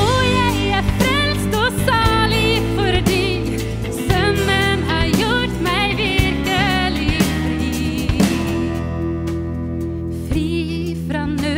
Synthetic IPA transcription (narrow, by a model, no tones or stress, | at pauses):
ɔjæɪ | æfɾɛlst̪ɔsɑːlɪɡfœɾɖi | sœmːənhɑɾjʊʈmæjvɪɾkəlɪfɾiː | fɾiː | fɾɑnø